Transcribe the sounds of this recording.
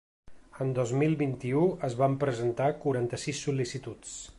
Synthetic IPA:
ənd̪ɔzmilˠβint̪iuəzβampɾəzənt̪akuɾant̪əsisːulisit̪ut͡s

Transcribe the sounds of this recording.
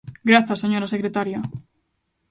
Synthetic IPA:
ɡɾaθasːeɲoɾasekɾet̪aɾja

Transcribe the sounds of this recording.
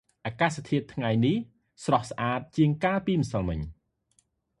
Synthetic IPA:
ʔaːkaːst̪ʰiət̪ʰːŋajnih | srɑhsʔaːt̪̚t͡ɕiəŋkaːpiːməsɑlmɨ̰ɲ

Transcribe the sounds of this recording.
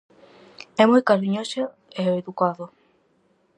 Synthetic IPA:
ɛmujkaɾiɲose | eoeðukaðo

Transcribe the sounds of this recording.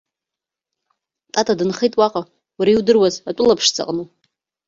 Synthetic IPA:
tʼatʼadɨnχejtʼwaqʼa | waɾaiwdɨrwazatʷʼʊlapʰʂt͡sʰʼa̰qʼnu

